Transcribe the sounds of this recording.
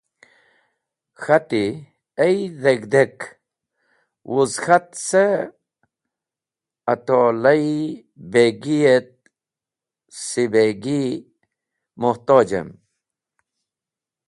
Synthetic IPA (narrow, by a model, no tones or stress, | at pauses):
xɐt̪i | ejðeɡd̪ek | wʔuzxat̪se | ɐt̪olɐj | beɡijet̪̚ | sibeɡi | muht̪oːd͡ʑḛm